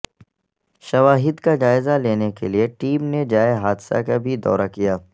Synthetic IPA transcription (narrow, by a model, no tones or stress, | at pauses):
ʃɐʋaːɦɪd̪kad͡ʒaːɪzaleːnekelieʈiːmned͡ʒaːeɦaːd̪sa̰kabʱid̪ɔ̰ːɾakijaː